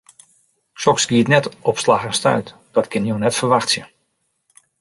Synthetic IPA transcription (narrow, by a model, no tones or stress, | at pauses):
ʃɔksɡiətnɛtɔpslaxɛnstœ̰ɥt | d̥ɔtkʰɪnjonɛtfərʋaxtsjə